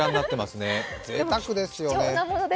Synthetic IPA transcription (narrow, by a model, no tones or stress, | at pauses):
ãnːat̪ːemasɨnezḛt̪akɯ̟d̪e̞sɨjo̞neamono